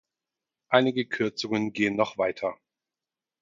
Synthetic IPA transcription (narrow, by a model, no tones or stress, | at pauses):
ʔaɪnɪɡəkʰʏɐt͡sʊŋənɡeːənːɔχv̥aɪtʰɐ